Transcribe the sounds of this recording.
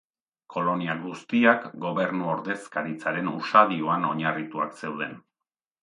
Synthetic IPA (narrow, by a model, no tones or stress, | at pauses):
kʰo̞lo̞niaɣust̪iakɡo̞βe̞ɾnuo̞ɾðe̞skaɾit͡saɾe̞nṵsaðio̞ano̞ɲarit̪ua̰kse̞wð̞e̞n